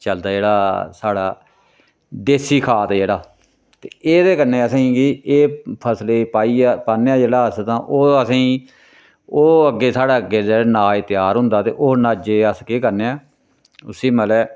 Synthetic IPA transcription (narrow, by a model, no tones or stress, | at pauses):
t͡ʃəld̪aːd͡ʒeːɽaːsaːɽaː | d̪eːsiːkʰaːt̪d͡ʒeːɽaː | t̪eːeːd̪eːkəneːəsãiːɡieːpʰəsleːpaːiːaːpaːnːeaːd͡ʒeːɽaːəst̪ãːʔoːəsĩː | oːəɡːeːsaːɽaːəɡeːd͡ʒeːɽaːnaːɪt̪ɪjaːɾɦʊ̃nd̪aːt̪ḛːʔoːnaːd͡ʒeːəskeːkəɾneːɛː | ʊsiːməlɛː